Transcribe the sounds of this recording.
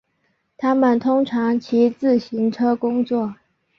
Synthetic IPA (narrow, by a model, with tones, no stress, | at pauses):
t̪ʰa˥mə˨nt̪ʰʊ˥ŋʈ͡ʂʰɑ˧˥ŋt͡ɕʰi˧˥t͡sɹ̩˥˩ɕi˧˥nʈ͡ʂʰɤ˥kʊ˥ŋt͡swɔ˥˩